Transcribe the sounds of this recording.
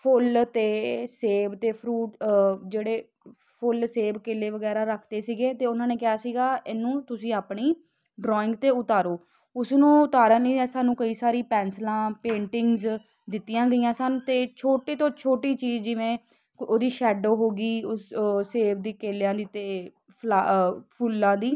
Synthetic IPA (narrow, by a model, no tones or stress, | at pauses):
pʰʊlt̪eːseːbt̪eːpʰɾuːʈd͡ʒeːɽeː | pʰʊlseːbkeːleːʋəɡɛːɾaːɾəkʰd̪eːsiːɡeːt̪eːʊnãːneːkɪaːsiːɡaːʔɪnũːt̪ʊsĩːaːpɳiː | ɖɾɔːɪ̃ŋɡt̪eːʊt̪aːɾoː | ʊsnũːʊt̪aːɾãːnĩːɛːsaːnũːkəiːsaːɾiːpɛːnslãːpẽːɳʈɪŋɡz | d̪ɪt̪ːɪjãːɡəiːjãːsənt̪eːt͡ʃʰoːʈiːt̪õːt͡ʃʰoːʈiːt͡ʃiːzd͡ʒɪʋẽː | oːd̪iːʃɛːɖoːɦoːɡiːʊsseːbd̪iːkeːljãːd̪iːt̪eː | pʰlaːpʰʊlːãːd̪iː